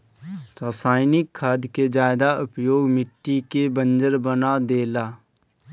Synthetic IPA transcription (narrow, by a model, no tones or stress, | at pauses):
ɾasaːɪnɪkʰːaːd̪ʱked͡ʒaːɪd̪aʊpjoːɡmɪʈːikebə̃nd͡ʒəɾbənad̪eːlaː